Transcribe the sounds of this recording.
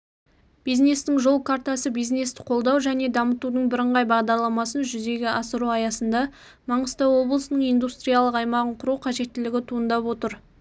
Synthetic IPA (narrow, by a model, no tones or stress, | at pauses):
b̥ijzne̞st̪ɪŋʒo̞lˠkʰaɾt̪asəbijzne̞st̪ɪ̥qʰo̞lˠd̪ɑwʒæne̞d̪ɑmət̪ud̪əɴbɪɾəɴʁɑjbɑʁd̪ɑɾlˠɑmɑsənʒʏze̞ɡʲɪʔɑsəɾuɑjɑsənd̪ɑ | mɑɴəst̪əwo̞blˠəsənəɴijnd̪ust̪ɾijalˠəqɑjmɑʁəɴqʰʊɾuqʰɑʒe̞t̪ːɪlɪɡʲɪt̪ʰuənd̪ɑpwo̞t̪əɾ